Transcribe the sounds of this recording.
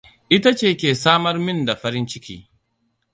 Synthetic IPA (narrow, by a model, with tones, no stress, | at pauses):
ʔɪ˦ta˦t͡ʃeː˦˨kʲeː˨saː˦mɐ˦rmɪ˦nda˨ɸɐ˦ɾɪ˦nt͡ʃɪ˦kʲḭː˦